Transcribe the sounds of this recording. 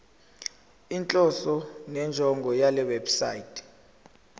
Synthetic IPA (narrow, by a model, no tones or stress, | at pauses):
int͡ɬʼɔsɔnɛnd͡ʒʱɔŋɡʱɔjalɛwɛbsajitʰʼɛ̥